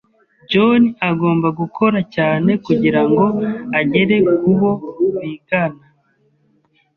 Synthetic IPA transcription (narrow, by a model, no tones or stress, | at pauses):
ɟoniaɡo̞ːmbaɡukʰo̞ɾacaːne̞kuɟiɾaŋɡo̞aɟe̞ɾe̞kuβo̞wiːɡana